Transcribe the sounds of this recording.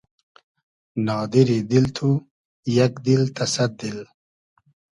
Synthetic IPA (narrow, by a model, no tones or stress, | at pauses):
nɑːd̪iɾid̪ilt̪ʰu | jakd̪ilt̪ɐsɐd̪̚d̪il